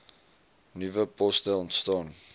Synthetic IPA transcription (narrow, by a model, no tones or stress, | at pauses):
nivəpɔstəɔntstɑːn